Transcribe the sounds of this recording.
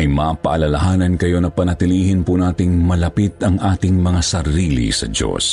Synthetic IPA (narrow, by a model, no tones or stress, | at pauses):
ɐjmɐapɐʔɐlɐlɐɦaːnɐnkɐjo̞nɐpɐnɐt̪ɪliːhɪnpunaːt̪ɪŋmɐlɐpit̪ɐŋʔaːt̪ɪŋmɐŋasɐɾiːlḭsɐ̰d͡ʒo̰s